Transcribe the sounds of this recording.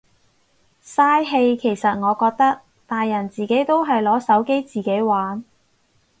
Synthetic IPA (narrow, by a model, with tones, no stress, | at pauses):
saː˥jɦe˧jkʰe˨˩jsɐ˨t̚ŋɔː˨˧kɔː˧k̚t̪ɐ˥k̚ | t̪aː˨jːɐ˨˩nt͡siː˨ke˨˥jt̪o˥wɦɐ˨jlɔː˨˥sɐ˨˥wke˥jt͡siː˨˩ke˨˥jwaː˨˥n